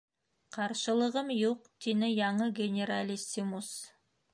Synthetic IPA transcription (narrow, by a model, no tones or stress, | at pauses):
qʰɑɾʃəlˠəʁəmjoq̚d̪enɪjɑɴəɡʲenʲeɾalʲisimus